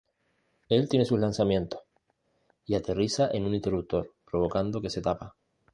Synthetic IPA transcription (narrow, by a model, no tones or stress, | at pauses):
e̞lt̪je̞ne̞suhlansamje̞nt̪oh | iat̪e̞risaʔe̞nũnint̪e̞ruk̚t̪o̞ɾpɾo̞β̞o̞kand̪o̞ke̞se̞t̪apa